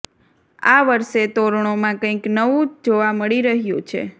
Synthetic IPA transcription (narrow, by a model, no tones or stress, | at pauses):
a̰ʋəɾʃet̪oɾɳ̃omãkə̃ĩknəʋũd͡ʒoʋaməɭiɾəɦjũt͡ʃʰḛ